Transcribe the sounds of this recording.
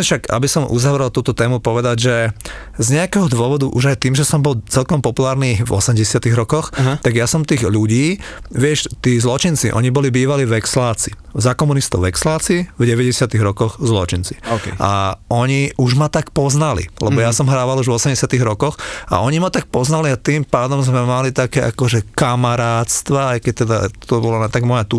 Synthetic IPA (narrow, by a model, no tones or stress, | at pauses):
ɛʃaɡa̰bisɔmʔṵzaʋɾɛlˠt̪uːt̪ɔt̪ɛːmupɔʋɛd̪aɟʒɛzɲɛakɛɦɔd̪ʋɔʋɔd̪uʔuʒajt̪iːmʒɛsɔmbɔlt͡sɛlkɔmpɔpulaːɾniːvɔ̰sɛmɟɛsɪat̪iɣɾɔkɔxt̪aɡjasɔmt̪iːɣʎuɟiːʋɪɛʃt̪iːzlɔt͡ʃint͡siʔɔ̰ɲibɔlibiːʋaliʋɛkslaːt͡si̥zakɔmunist̪ɔʊʋɛkslaːt͡siivɟɛʋɛɟɛsɪat̪iɣɾɔkɔɣzlɔ̰t͡ʃint͡si̥ʔa̰ɔɲiʔuʒmat̪akpɔznalḭlɛbɔjasɔmɦɾaːʋaluʒvʋɔsɛmɟɛsɪat̪iɣɾɔkɔxa̰ʔɔɲimɔt̪ak̚pɔznaliat̪iːmpaːd̪ɔmzmɛmalit̪akɛːʔakɔʒɛkamaɾaːt̪st̪ʋaajkɛc̚t̪ɛd̪a̰t̪ɔbɔlɔnɛt̪aɡmɔjat̪u